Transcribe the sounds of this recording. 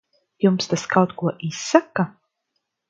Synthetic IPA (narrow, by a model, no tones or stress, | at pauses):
jumst̪askawt̪kuɔʔisːaka